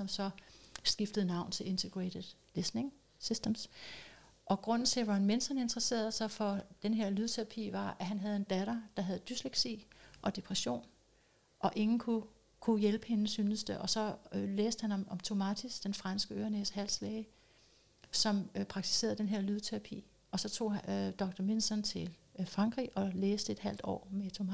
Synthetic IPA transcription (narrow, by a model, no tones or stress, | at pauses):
sɒ̽msɒ̽sɡ̥ifd̥ð̞̩ˠnɑ̈ʊ̰nt͡sʰe̝le̝nt͡sʰeɡ̥ʁed̥ðˠ | lesne̝ŋ | sisd̥əms | ʔɒ̽ɡ̥ʁɔ̽n̰n̩t͡sʰe̝ʋɑ̈hænmensd̥hæne̝nd̥ʁɐse̝̰ːɐðˠsɑ̈ɪfɒ̽d̥enɦe̝ɐ̰lyðˠt͡sʰe̝ʁɑ̈pʰḭʋɑ̈æɦænɦæð̞ˠe̝nd̥æɾ̥ɐd̥ɑ̈ɦæð̞ˠd̥ysleɡ̥sḭʔɒ̽d̥e̝pʰʁɛɕo̝̰ːn | ʔɒ̽ʔe̝ŋn̩kʰu | kʰujelb̥əhe̝nəsyːnəsd̥əʔɒ̽sɒ̽leːsd̥əhænɒmɒ̽mt͡sʰo̝mæt͡sʰisd̥enfʁɑ̈nsɡ̥əø̰ːɐneshæl̰slɛɪ | sɒ̽mpʰʁɑ̈ɡ̥̚t͡sʰi̥se̝̰ːɐð̞̩ˠd̥enɦe̝ɐ̰lyðˠt͡sʰeʁɑ̈pʰḭː | ɒ̽sɒ̽t͡sʰo̝̰ːd̥ɒ̽ɡ̥̚d̥ɐme̝nsɒnt͡sʰe̝lfʁɑ̈ŋ̰ɡ̥ʁḭːɒ̽leːsd̥əe̝d̥hæl̰d̥ɒ̰ːmet͡sʰom